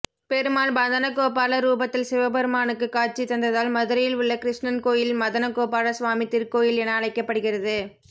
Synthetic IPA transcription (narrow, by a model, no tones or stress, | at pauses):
pɛɾɯmaːlbɐðɐnɐkoːpaːɭɐɾuːbɐt̪ːɪlsɪʋɐbɐɾɯmaːnɯkːɯkːaːʈ̚t͡ʃit̪ːɐnd̪ɐðaːlmɐðɯɾɐjɪlʊɭːɐkɪɾɪʂɳɐnkoːjɪlmɐðɐnɐkːoːpaːlɐsʋaːmɪt̪ːɪɾkoːjɪlɛnɐːɭɐɪkːɐpːɐɽɯɣɪrɐðɯ